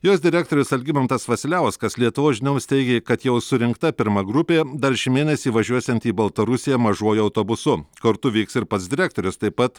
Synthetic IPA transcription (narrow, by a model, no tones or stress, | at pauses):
joːs̬d̪ʲɪɾʲæːk̚t̪oːɾʲʊsɐlʲɡʲɪmɐnt̪ɐsfɐsʲɪlʲæˑʊskɐslʲiɛt̪ʊʋoːʒʲɪnʲɛʊsʲt̪ʲɛɪɡʲeːkɐt̪jɛʊsʊɾʲɪŋkt̪ɐpʲɪɾmɐɡɾʊpʲeːd̪ɐɾʃʲɪmʲeːnʲɛsʲiːʋɐʒʲuɔsʲɛnt̪iːbɐlˠt̪ɐɾʊsʲɪjɛmɐʒuɔjʊɐʊt̪oːbʊsʊkɐɾt̪ʊʋʲiːksɪɾpɐt̪sd̪ʲɪɾʲæːk̚t̪oːɾʲʊst̪ɐɪpɐt̪